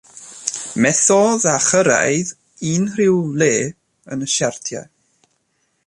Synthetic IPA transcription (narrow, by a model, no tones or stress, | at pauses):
mɛθɔðaχəɾa̰jð | iːnrɪwleː | ə̰nəʃartʰja̰